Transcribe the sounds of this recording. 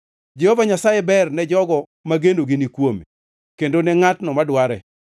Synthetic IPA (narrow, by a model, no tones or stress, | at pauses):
d͡ʒehovaɲasajebɛrnɛd͡ʒɔɡɔ | maɡendoɡinikwome | kendonɛŋatnɔmadwaɾɛ̰